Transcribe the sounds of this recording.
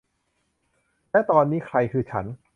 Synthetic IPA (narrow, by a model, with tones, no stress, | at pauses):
lɛː˦˥˩t̪ɔː˧nːiː˦˥kʰɾa˧jkʰɯː˧t͡ɕʰa˦˥n